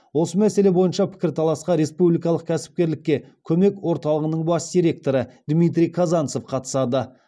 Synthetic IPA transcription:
wo̞səmæse̞le̞bo̞jənʃɑpʰɪ̥kʲɪɾt̪ʰɑlˠɑsqɑɾe̞spublijkɑlˠəq̚kʲʰæsɪ̥p̚kʲe̞ɾlɪkʲːe̞ | kʲʰɵme̞kwo̞ɾt̪ɑlˠəʁənəɴbɑsd̪ʲiɾe̞k̚t̪o̞ɾəd̪mijt̪̬ɾʲijkʰɑzɑnso̞fqʰɑt̪ə̥sɑd̪ə

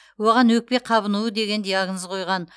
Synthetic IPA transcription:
woʁɑnwɵk̚pe̞qʰɑβənuwəd̪e̞ɡʲe̞nd̪ejɑɡnəzqʰo̞jʁɑn

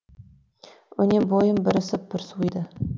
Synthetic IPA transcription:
ɵ̰nʲebojəmbɪɾɪsɪp̚b̥ɪɾsuijd̪ɪ

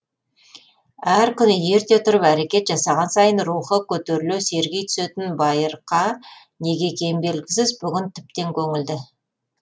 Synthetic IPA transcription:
æɾkʲʰʏnɪje̞ɾt̪e̞t̪ʰʊɾəpæɾe̞kʲe̞t̪ʒɑsɑʁɑnsɑjənɾuχəkʲʰɵt̪eɾɪlese̞ɾɡʲe̞jt̪ʰʏ̥se̞t̪ɪnbɑjəɾqʰɑ | ne̞ɡʲe̞kʲʰe̞jmbe̞lɡʲɪsɪzbʏɡʲɪnt̪ʰɪ̥p̚t̪e̞ŋkʲʰɵŋɪld̪ɪ

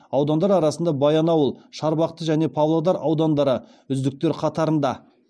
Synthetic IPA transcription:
ɑwd̪ɑnd̪ɑɾɑɾɑsənd̪ɑbɑjɑnɑwəlˠʃɑɾbɑq̚t̪əʒæne̞pʰɑvlˠod̪ɑɾɑwd̪ɑnd̪ɑɾə | ʏzd̪ɪk̚t̪e̞ɾqʰɑt̪ɑɾənd̪ɑ

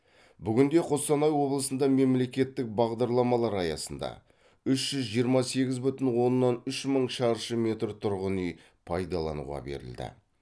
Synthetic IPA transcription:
bʏɡʲɪnd̪e̞qʰo̞sɑnɑjwo̞blˠəsənd̪ɑme̞mle̞kʲe̞t̪ːɪk̚bɑʁd̪ɑɾlˠɑmɑlˠɑɾɑjɑsənd̪ɑ̰ | ʏʃʒ̥ʏzʒijəɾmɑse̞ɡʲɪzbʏt̪ɪnwo̞nːɑnʏʃməɴʃɑɾʃəme̞t̪rt̪ʰʊɾʁənij | pʰɑjd̪ɑlˠɑ̰nṵʁɑ̰be̞̰ɾɪ̰ld̪ɪ̰

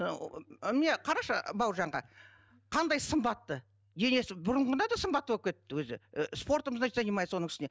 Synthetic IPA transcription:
mɪne̞qʰɑɾɑʃəbɑwʒɑɴʁɑ | qʰɑnd̪ɑjsəmbɑt̪ːə | jene̞sɪbʊɾəɴʁənɑd̪ɑsəmbɑt̪ːəwop̚kʲʰet̪ːɪwɵzɪ̰spo̞ɾt̪əməzɑʒɑnimɑj̪wo̞nəŋɪʃɪne̞

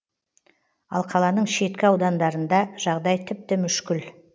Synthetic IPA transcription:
ɑ̰lˠqʰɑlˠɑnəɴʃe̞t̪kʲɪɑwd̪ɑnd̪ɑɾənd̪ɑʒ̥ɑʁd̪ɑjt̪ʰɪp̚t̪ɪmʏʃkʲɪl

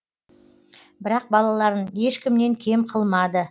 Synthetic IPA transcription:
bɪɾɑq̚bɑlˠɑlˠɑɾəne̞ʃkʲɪmne̞ŋkʲʰe̞mqʰəlˠmɑd̪ə

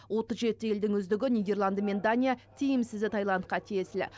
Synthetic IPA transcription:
wo̞t̪əzʒe̞t̪ːɪje̞ld̪ɪŋʏzd̪ɪɡʲɪnʲijd̪ʲe̞rlˠanme̞nd̪anʲijat̪ʰijɪmsɪzd̪ɪt̪ʰɑjlˠɑnt̪qɑt̪ʰijesɪlɪ̰

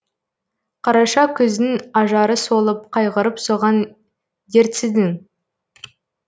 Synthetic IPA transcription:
qʰɑɾɑʃɑkʲʰʏzɪŋɑʒɑɾəso̞lˠəp̚qʰɑjʁəɾəpsoʁɑn | d̪eɾt̪sɪd̪ɪŋ

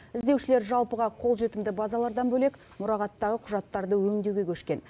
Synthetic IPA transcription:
ɪzd̪e̞wʃɪle̞ɾʒɑlˠpəʁɑqʰo̞lˠʒe̞t̪ɪmd̪ɪbɑzɑlˠɑɾd̪ɑnbɵle̞k | mʊɾɑʁɑt̪ːɑʁəqʰʊʒɑt̪ːɑɾd̪əwɵŋd̪ewɡʲe̞kʲʰɵʃkʲe̞n

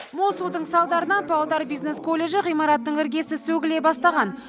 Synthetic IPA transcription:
molˠsud̪əɴsɑlˠd̪ɑɾənɑpʰɑwd̪ɑɾbijzne̞skʰo̞lʲːe̞ʒɪʁijmɑɾɑt̪ːəɴɪɾɡʲe̞sɪsɵɡʲɪle̞bɑst̪ɑʁɑn

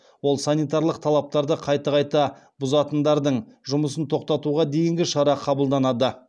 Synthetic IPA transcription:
wolˠsɑnijt̪ɑɾlˠəq̚t̪ʰɑlˠɑp̚t̪ɑɾd̪əqʰɑjt̪ɑʁɑjt̪ɑ | bʊzɑt̪ənd̪ɑɾd̪əɴʒʊməsənt̪ʰo̞qt̪ɑt̪uʁɑd̪e̞jɪŋɡʲɪʃɑɾɑqʰɑbəlˠd̪ɑnɑd̪ə

